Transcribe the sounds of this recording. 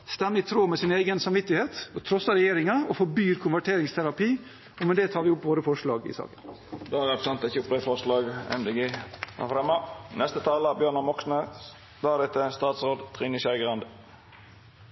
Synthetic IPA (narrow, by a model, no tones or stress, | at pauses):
st̪ɛmːəɪt̪ʰɾoːmɛsɪneɪɡənsɑmʋɪt̪ːɪheːt̪ɔt̪ʰɾɔsːɑɾɛjeːɾɪŋɑɔfɔbyːɾkʰʊnʋæʈʰeːɾɪŋst̪ʰæɾɑpiː | ɔmɛd̪ɛt̪ʰɑːɾʋɪʊpːʋoːɾəfɔʂlɑːɡɪ̰sɑ̰ːkənd̪ohæʁæt̪sɑnt̪ɪçʊplɛfɔʁslɑːɡɛ̰md̪ɛɡeːæ̰fɾɛmːɑnɛst̪ət̪ʰɑːləbjøːɳɑmɔksnə | d̪ɑːɾɛt̪əst̪ɑːt̪sʁoːd̪t̪ʰʁiːnɪsæɪɡʁɑnd̪